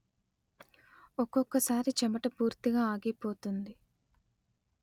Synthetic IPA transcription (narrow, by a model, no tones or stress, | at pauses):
ɔkɔkːɐsaːɾit͡ʃɛmɐʈɐpuːɾt̪iɡaːaːɡipo̞ːt̪und̪i